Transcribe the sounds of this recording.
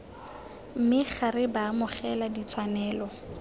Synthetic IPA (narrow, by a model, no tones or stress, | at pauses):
m̩mɪχaɾɪbaːmʊχɛladit͡sʰwanɛːlɔ